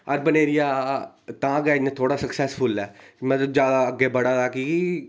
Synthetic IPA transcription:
əɾbəneːɾijaː | t̪ãːɡɛːnẽt̪ʰoːɽaːsəksɛːspʰʊlɛːmət̪ləbd͡ʒjaːd̪aːəɡeːbəɽaːt̪aːki

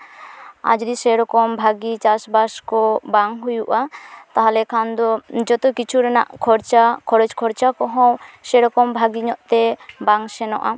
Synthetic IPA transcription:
a̰d͡ʒɾisɛɾɔkɔmbʱaɡit͡ʃasbaskɔbaŋɦujuʔat̪aɦalɛkʰand̪ɔd͡ʒɔt̪ɔkit͡ʃʰuɾɛna̰ʔkʰɔɾt͡ʃakʰɔɾɛd͡ʒkʰɔɾt͡ʃakɔɦɔ̃wsɛɾɔkɔmbʱaɡiɲɔʔt̪ɛbaŋsɛnɔ̰ʔa

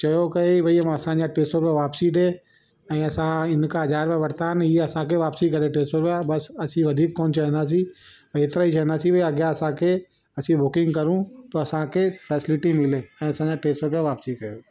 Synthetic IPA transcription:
t͡ʃɐjokɐeibʱɐiɐmɐsãd͡ʑãʈeːsʈõpẽʋaːpsiʈe | ɛ̃ːɐsãɪnkaɦɐd͡ʒaːɾpɛʋɐɾt̪aːniɐsãkeʋaːpsikɐɾeʈeːsʈõpebɐsɐsĩʋɐd̪ʱiːkːɔːnt͡ʃɐɦnd̪as̬i | ɐɪt̪ɾait͡ʃɐɦnd̪asibʱɐiɐɡjaɐsãkʰe | ɐsĩbʊkɪ̃ŋɡkɐɾũt̪oɐsãkefɛːsɪlɪʈimɪleɛ̃ːɐsãd͡ʑãʈeːsʈõpeʋaːpsikɐjoː

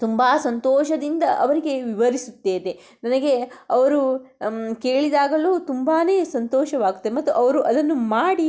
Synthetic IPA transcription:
t̪umbaːsɐnt̪ɔːʃɐd̪ind̪ɐʔɐʋɐɾiɡe̞ʋiʋɐɾisut̪ːeːd̪e | nɐnɐɡe̞ɐʋɐɾu | ke̞ːɭid̪aːɡɐluːt̪umbaːne̞ːsɐnt̪ɔːʃɐʋaːɡut̪ːɐd̪emɐt̪ːuʔɐʋɐɾuʔɐd̪ɐnːumaːɽi

